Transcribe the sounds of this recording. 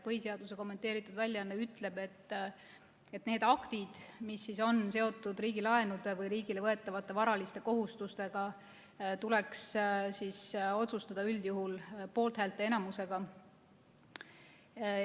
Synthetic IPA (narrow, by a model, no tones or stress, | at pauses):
pɤhise̞ɑd̪use̞ko̞mːe̞nt̪ːˑe̞ːɾit̪ːˑud̪vælʲjɑnːeyt̪ːˑle̞b̥e̞t̪ː | e̞t̪ne̞ːd̪̥ɑkt̪id̪̥misːiso̞nse̞o̞t̪ːˑud̪riːɡilɑe̞nud̪e̞vɤjɾiːɡ̥ile̞vɤe̞t̪ːˑɑvɑt̪ˑːe̞vɑɾɑlist̪e̞ko̞ɦust̪ust̪e̞ɡ̥ɑ | t̪ule̞kssiso̞t̪sust̪ɑd̪̥ɑyld̪̥juɦulpo̞ːlt̪hælt̪ːˑee̞nɑmuse̞ɡ̥ɑ